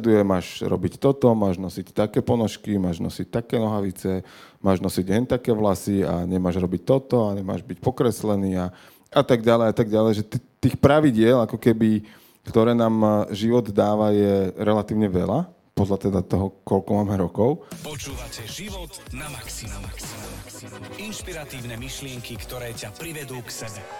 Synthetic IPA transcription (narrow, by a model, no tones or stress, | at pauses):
d̪ujɛmaːʃɾɔ̰bict̪ɔt̪ɔmaːʒnɔsict̪akɛːpɔnɔʃkimaːʒnɔ̰sic̚t̪akɛːnɔɦaʋit͡sɛmaːʒnɔsiɟɦɛnt̪akɛːʋlasia̰ɲɛmaːʒɾɔbic̚t̪ɔt̪ɔaɲɛma̰ːʒbic̚pɔkɾɛslɛniːa | at̪aɡɟalɛjat̪aɡɟalɛjʒɛt̪t̪iːxpɾaʋiɟɪɛlakɔkɛbi | kt̪ɔɾɛːnaːmʒiʋɔd̪d̪aːʋajɛɾɛlat̪iːʊɲɛʋɛla | pɔd̪lat̪ɛd̪at̪ɔɦɔkɔlkɔmaːmɛɾɔkɔʊpɔt͡ʃuːʋacɛʒiʋɔt̪naksik | inʃpiɾat̪iːʊnɛmiʃlɪɛŋkikt̪ɔɾɛːcapɾiʋɛd̪uːksɛbɛ